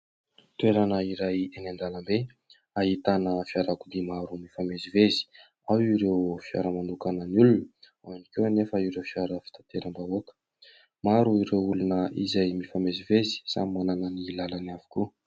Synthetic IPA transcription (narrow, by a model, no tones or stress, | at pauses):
t̪ueɾanəiɾajenand̪alambe | aɦit̪anəfiaɾakud̪emaɾumifamezivezi̥ | awiɾewfia̰ɾəmanukanənulunə | anikewnefəiɾewfijaɾəfi̥t̪at̪eɾəmbaokə̥ | maɾuiɾewulunəḭzajmifamezivezi̥sa̰mimananənilalanavu̥ku